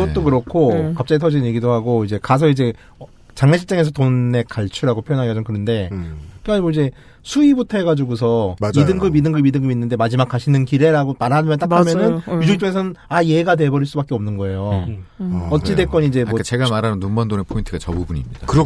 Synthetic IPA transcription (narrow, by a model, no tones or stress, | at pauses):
ɡʌttt͈okɯɾʌkʰokap̚t͡ɕ͈aɡitʰʌd͡ʑinɲje̞ɡidoɦaɡoid͡ʑe̞kas̬ʰʌid͡ʑe̞ | t͡ɕaŋneɕʰiɭt͡ɕ͈aŋe̞s̬ʰʌtonːe̞kaɭt͡ɕʰuɾaɡopʰjojʌnɦaʌd͡ʑʌmkɯɾɯnde̞kekaimwoid͡ʑe̞ | sʰuibutʰʌɦeɡad͡ʑuɡusʰʌaidɯŋɡɯmidɯŋɡɯmidɯŋɡɯminːɯnde̞mad͡ʑimak͈aɕʰinɯnkiɾe̞ɾaɡomaɾanɯmʌnt͈akʰamjʌnɯnjud͡ʑut͡ɕ͈oŋe̞s̬ʰʌnɯnajeɡad̬e̞bʌɾiɭs͈ubak͈eʌmnɯnɡʌe̞jo | ʌt͡ɕ͈ide̞k͈ʌnid͡ʑe̞mʌat͡ɕeɡamaɾanɯnːumbʌndonepʰointʰɯɡat͡ɕʌbubuɲḭmɲid̥a̰kɯɾ